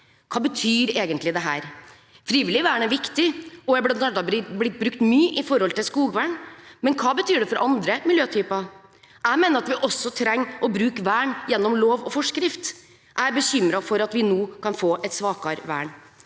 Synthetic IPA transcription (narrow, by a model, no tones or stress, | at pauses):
kʰɑːbət̪ʰyːɾeːɡənt̪lɪd̪ɛɦæːɾ | fɾiːʋɪlɪʋæːɳæɾʋɪkt̪ɪɔjæɪblɑnt̪ɑnd̪ɑblɪt̪̚ːbɾʉkt̪myːʔɪfɔɾhɔlt̪ɪlskuːɡʋæːɳmɛnkʰɑːbət̪ʰyːɖɛfɔɾʔɑnd̪ɾəmɪljøːt̪ʰyːpɑ | ʔæɪmeːnəɾɑt̪ʋɪʔɔsːɔt̪ʰɾɛŋːʔɔbɾʉːkʋæːɳjɛnːɔmloːʋɔfɔʂkɾɪft̪ | ʔæbəɕʏmɾɑfɔɾɑt̪ʋɪnoːkʰɑnfoːʔɛt̪sʋɑːkɑɾʋæ̰ːɳ